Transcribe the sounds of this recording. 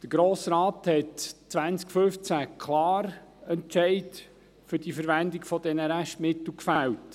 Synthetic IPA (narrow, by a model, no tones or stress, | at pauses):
d̪̥əɡ̥ɾoːsɾɑːthɛtt͡sʋænt͡skfʏft͡sækʰlɑːɾɛnt͡ʃɛɪt | fʏɾdifəɾʋændɪkfɔdɛnəɾæʃtmɪtl̩kfælt